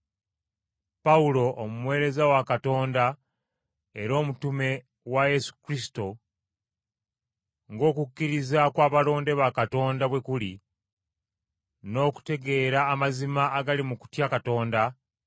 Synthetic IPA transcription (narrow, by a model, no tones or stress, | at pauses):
paulo̞ʔːmumwe̞ːɾe̞zawakato̞ːnda | e̞ɾo̞ːmutume̞ | waje̞su̥kɾisi̥to̞ | ŋɡo̞ːkukːiɾizakwaːβalo̞ːnde̞βakato̞ːndaβwe̞kuli | no̞ːku̥te̞ɡe̞ːɾaːmazimaːɡalimuku̥tjakato̞ːnda